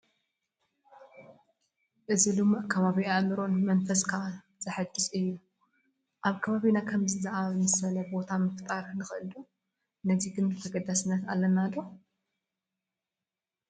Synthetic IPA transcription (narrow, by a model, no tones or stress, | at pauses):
ʔɨzilumʔkʰɐβaβiaʔmɨɾo̞nmɐnfɐskʰa | z̥ɐħad͡ʒɨzɨjːu | ʔaβkʰɐβaβinakʰɐmzɨzaʔaβnɨsɐlɐbo̞t̪ʰamɨft̪ʼaɾnɨxɨʔɨlu | nɐziɡɨnt̪ʰɐɡɐd̪asɨnːɐt̪a̰lːɐnad̪o